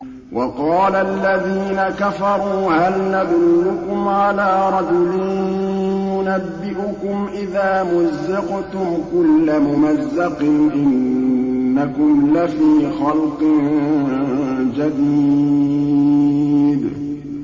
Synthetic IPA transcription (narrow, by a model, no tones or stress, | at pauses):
wʔɑqɑːlaʔlːaðiːnakafɑɾˤuːʕanlːaðlʊlʊkʊmʕalaːɾˤɑd͡ʒʊlɪn | jʊnabːɪʔʊkʊmʔɪðaːmʊzːɪqt̪ʊmkʊlːamʊmazːɑqɪnʔɪnː | akʊmlafiːxɑlqɨ | d͡ʒad̪iː | d̪